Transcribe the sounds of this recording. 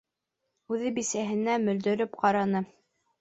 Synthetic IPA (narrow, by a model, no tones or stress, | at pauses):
ʉðɘbisæɦɘ̆næmɵ̆ld̪ɵ̆ɾɵpqɑɾɑnɤ